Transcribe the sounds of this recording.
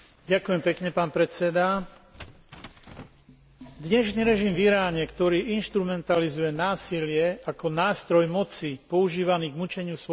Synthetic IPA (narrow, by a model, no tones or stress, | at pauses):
ɟakujɛmpɛkɲɛpaːnpɾɛt͡sɛd̪a | d̪ɲɛʃniːɾɛʒimviɾaːɲɛkt̪ɔɾiːʔinʃt̪ɾumɛnt̪alizujɛnaːsilɪɛakɔnaːst̪ɾɔjmɔt͡sipɔuʒiːʋaniːɡmut͡ʃɛɲɪusʋ